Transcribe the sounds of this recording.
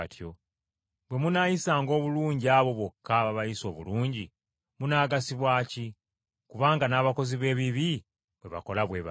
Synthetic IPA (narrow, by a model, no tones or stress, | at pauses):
tʰjo | bwe̞munajisaːŋɡo̞ːβuluːɲɟiaβo̞βwo̞kʰːaβaβajiso̞ːβuluːɲɟi | munaːɡasiβwaːci | kuβaːŋɡanaːβako̞ziβe̞ːβiβi | βwe̞βa̰ko̞laβwe̞βa